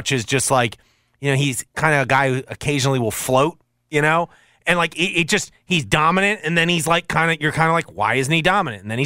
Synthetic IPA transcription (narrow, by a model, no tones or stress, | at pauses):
t͡ʃɨzd͡ʒʌst̚ˡlaɪk | jɨnoʊiz̥kʰãɪ̃ndɨɨɡaɪhʉʔɨkʰeɪʒɨnl̩ˠiwɪlˠfloʊt̚ | jɨɾ̃oʊ | ɨ̃nlaɪkɪɾʔɪt̚d̥ʒ̥ʌst̚hizdɑmɨnɨ̃ntɨ̃nðɨ̃nizlaɪkʰãɪ̃ndɨjə˞kʰãɪ̃ndəlaɪkwa̰ɪɪzn̩tidɑmɨnɨ̃ntn̩ðɨ̃nhi